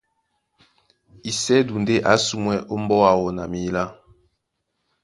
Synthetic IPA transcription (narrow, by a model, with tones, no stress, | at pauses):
i˨sɛ˦du˨nde˦ʔa˨˦su˦˨mwɛ˦ʔo˦m˦bɔ˦a˨wɔ˨na˨mi˨˦la˦